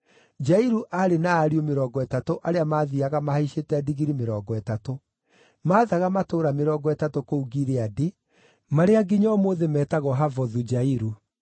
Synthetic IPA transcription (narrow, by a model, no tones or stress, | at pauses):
d͡ʒaiɾuʔaɾenaːɾiomeɾɔːɡɔɛtatoʔaɾeamaːðiaɣamahaiʃetɛdiɣiɾimeɾɔːɡɔɛtato | maːðaɣamatoːɾameɾɔːɡɔɛtatokouɣiɾeadi | maɾeaɡiɲɔːmoðemɛːtaɣɔɦavɔðud͡ʒaiɾu